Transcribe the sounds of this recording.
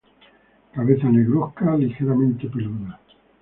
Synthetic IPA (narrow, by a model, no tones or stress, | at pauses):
kaβeθaneɣɾohkalixeɾamẽnt̪epeluna